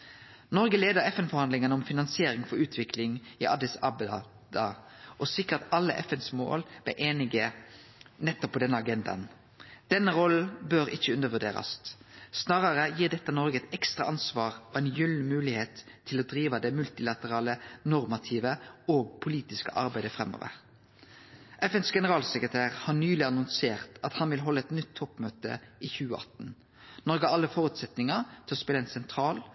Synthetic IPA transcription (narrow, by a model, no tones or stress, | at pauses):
nɔʁɡəleːd̪əʁɛfɛnfɔʁhɑnd̪lɪŋənɔmfɪnɑnsɪeːɾɪŋfɔɾʉːt̪ʰʋɪkʰlɪŋiʔɑd̪ɪsɑ̰b | d̪̥ɑʔɔsɪkːəɑt̪ɑlːəʔɛfɛnsmo̰ːlb̥ɛ̰ʔeːnɪɡə | nɛt̪ːɔpʰːɔd̪ɛnːəɑɡɛnd̪ɑ̰n | d̪̥ɛnːəɾɔl̩bøɾɪçːəʉnəʁʋʉd̪ḛːɾɑ̰ssnɑːʁɑʁəjiːʁd̪ɛt̪ːənɔɾɡəɛt̪ɛkst̪ʁɑʔɑnsʋɑːʁɔɛɪnjʉlmʉːlɪheːt̪ʰːɪlɔd̪ɾiːʋɑd̪ɛmʉlt̪ɪlɑt̪əʁɑːlənɔɾmɑt̪ʰiːʋəoːɡ̚pʰʊliːt̪ɪskə̰ʔɑ̰ɾbæɪd̪əfʁɛmo̰ːʋə̰ʁ | ʔɛfɛnsɡɛnəʁɑːlsɛkʁət̪ʰæːʁhɑnyːlɪɑnʊnseːʁt̪ɑt̪hɑnʋɪlɦɔlːəɛt̪nʏt̪ʰːɔpːmøːt̪ə̰ʔiːçʉːəʔɑt̪n | nɔɾɡəɑlːəfɔːɾʉt̪sɛt̪nɪŋɑt̪ʰɪlɔspɪləɛɪnsɛnt̪ʰʁɑːl